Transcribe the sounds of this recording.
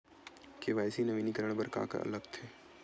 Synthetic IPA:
keʋaːjsinəʋiːnikəɾəɳ̃bəɾka̰ːkə̰ʔɐ̰ləɡt̪ʰeː

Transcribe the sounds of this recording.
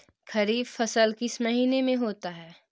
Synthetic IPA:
kʰɐɾiːbfɐsəlkɪsmɐɦiːnemẽɦoːt̪aɦɛː

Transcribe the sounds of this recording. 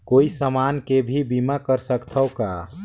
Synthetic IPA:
koːisəmaːnkebʱibimakəɾsəkt̪ʰəoka

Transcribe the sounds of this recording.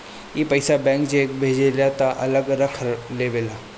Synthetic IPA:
ipəjsabɛ̃ŋkd͡ʑeek̚bʱed͡ʑeljat̪aʔələɡɾəkʰɾleʋela

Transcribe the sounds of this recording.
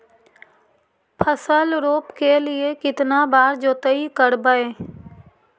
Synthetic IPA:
pʰəsəlɾoːpkelɪekɪt̪nabaːɾd͡ʒoːt̪əikəɾbəeː

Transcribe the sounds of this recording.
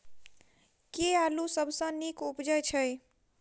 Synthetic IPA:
kealusəbʱsə̃nikupd͡ʒəjt͡ʃʰəj

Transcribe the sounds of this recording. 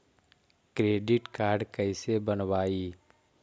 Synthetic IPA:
kɾeːɖɪʈkaːɾɖkəɪsebənwaːiː

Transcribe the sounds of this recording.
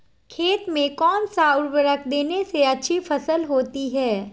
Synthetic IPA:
kʰeːt̪mẽkɔːnsaːʊɾbəɾəkʰd̪eːneseɐtːʃʰifɐsəlɦoːt̪iɦɛː

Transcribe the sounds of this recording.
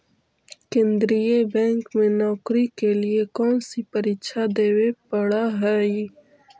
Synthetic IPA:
kẽnd̪ɾijebɛ̃ːŋkmẽnɔːkɾikeliekɔːnsipɐɾiʃʰad̪eːwepɐɽaɦɛi

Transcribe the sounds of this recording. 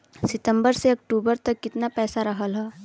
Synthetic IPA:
sɪt̪ə̃mbəɾseɐk̚ʈuːbəɾt̪ɐkːɪt̪napɛːsaɾɐɦəlɦɛː

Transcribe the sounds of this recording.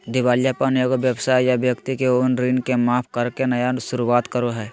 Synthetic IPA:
d̪ɪʋaːljapənjoɡoʋjəbsaːjjabjəkt̪ikeʊnɾinkemaːpʰkɐɾkenɐjasʊɾuʋaːt̪kəɾoɦɛː

